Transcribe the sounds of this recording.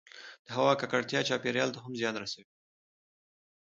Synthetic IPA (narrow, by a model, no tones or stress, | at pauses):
d̪̥əɦawɑkakaɽt̪jɑt͡ʃɑpeɾjɑlt̪aɦamzjɑnɾasawi